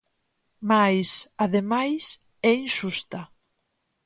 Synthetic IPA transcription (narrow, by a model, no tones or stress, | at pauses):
majsaðemajs | ɛinʃust̪a